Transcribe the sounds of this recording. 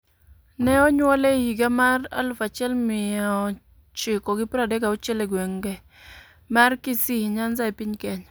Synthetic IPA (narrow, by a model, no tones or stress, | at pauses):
nɛɔɲwɔlehiɡamara̰lfat͡ʃɪɛlmɪa | t͡ʃɪkɔɡɪpɾadɛkaʊt͡ʃɛleɡwɛŋɡɛ | markɪsiɲanzaipiɲkɛɲ